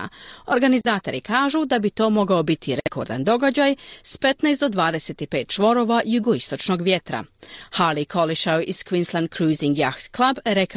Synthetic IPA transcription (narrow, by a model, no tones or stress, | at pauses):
o̞ɾɡanizaːt̪o̞ɾikaːʒud̪abit̪o̞ːmo̞ɡaobit̪ʰiɾeko̞̰ɾd̪a̰nd̪o̞ɡad͡ʒajspe̞t̪najst̪d̪o̞d̪ʋaːd̪e̞se̞t̪ipe̞ːt̪̚t͡ʃʋo̞ɾo̞ːʋajuɡoist̪o̞t͡ʃno̞ɡʋje̞t̪ɾa̰halikʰo̞liʃawiz̥kʋinslˠand̪̚kɾuːziŋɡjaxt̪klˠabɾek